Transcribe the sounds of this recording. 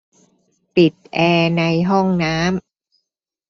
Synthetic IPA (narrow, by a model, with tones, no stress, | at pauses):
pi˨˩t̪̚ʔɛː˧na˧jɦɔ˥˩ŋnaː˦˥m